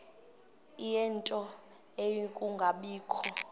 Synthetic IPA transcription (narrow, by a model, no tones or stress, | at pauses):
ijɛntʼɔ | ejikʼuŋɡʱaɓiːkʰɔ